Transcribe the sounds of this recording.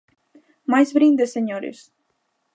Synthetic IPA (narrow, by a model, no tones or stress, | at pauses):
majsvɾind̪əsəɲoɾʲy̰s